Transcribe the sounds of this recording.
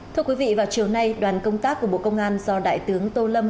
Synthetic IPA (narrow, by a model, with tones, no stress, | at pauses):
ɨ˧əkwi˨˦vḭ˧˨vaː˨˩wt͡ɕi˨˩əwna˧jɗwaː˨˩nkə˧wŋ͡mt̪aː˦˥k̚ːu˧˩əɓo̰˧˨kə˧wŋ͡mʔaː˧nzɔ˧ɗa̰ː˧˨jt̪ɨ˨˦əŋt̪o˧lə˧m